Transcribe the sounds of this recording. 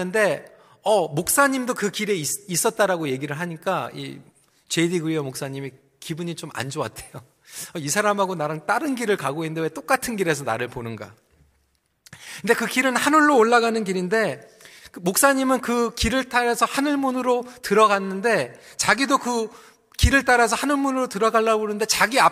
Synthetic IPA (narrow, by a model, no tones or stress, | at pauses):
ɯnde̞ | ʌmok̚s͈aɲimdokɯkiɾe̞isis͈ʌt̚t͈aɾaɡoje̞ɡiɾɯɭɦaɲik͈aḭ | t͡ɕe̞diɡɯɾijʌmok̚s͈aɲimi | kibuɲit͡ɕoma̰nd͡ʑoa̰tʰe̞jo | ʌisʰaɾamɦaɡonaɾɯnt͈aɾɯnɡiɾɯɭkaɡoinndewe̞t͈ok͈atʰɯnɡiɾe̞sʰʌnaɾɯɭponɯnɡa̰ | kɯnde̞kɯkiɾɯnhanuɭːoːɭːaɣanɯnkiɾinde̞kɯmok̚s͈aɲimɯnkɯkiɾɯɭt͈aɾasʰʌhanɯɭmunɯɾotɯɾʌɡanːɯnde̞t͡ɕaɡidokɯ | kiɾɯɭt͈aɾasʰʌhanɯɭmunɯɾotɯɾʌɡaɭːabonɯnde̞t͡ɕaɡia